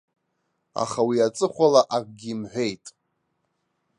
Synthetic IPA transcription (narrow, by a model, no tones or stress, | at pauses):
a̰χawiat͡sʼɨχʷalaʔak̚ʼɡʲiːmħʷᶣe̞jtʼ